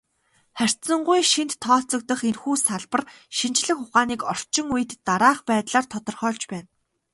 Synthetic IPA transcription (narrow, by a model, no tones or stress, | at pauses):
χær̥ʲt̪sə̆ɴɢujʃint̪ʰːɔːɬt͡sɞ̆k̚t̪ə̆χenxuːsaɮpə̆rʃint͡ɕɮɘ̆xʊχaːniːkɔr̥t͡ɕɪ̆ŋujɘ̆t̪ːaɾaːχpæːt̪ɮaːrt̪ʰɔt̪ɞ̆rχœːɮt͡ɕpæːn